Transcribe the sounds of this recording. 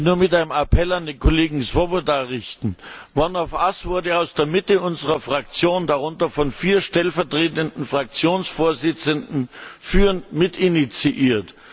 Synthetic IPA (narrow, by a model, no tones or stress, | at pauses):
nuːɐmɪtaɪnəmapʰɛlandeːnkʰoleːɡŋ̩sv̥obodaʁɪçtn̩vɔnaʊfʔasv̥ʊɐdəaʊsd̥eːɐmɪtəʔʊnzəʁɐfʁ̥ak̚t͡sjoːndaʁʊntɐfɔnfiːɐʃtɛlfɛɐtʁ̥eːtəndn̩fʁ̥ak̚t͡sjoːnsfoːɐzɪt͡səndn̩fyːnmɪtɪnit͡siʔiːɐt